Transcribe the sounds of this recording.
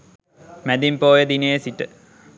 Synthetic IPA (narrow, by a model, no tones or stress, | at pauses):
mæd̪impoːjəd̪inejəsiʈə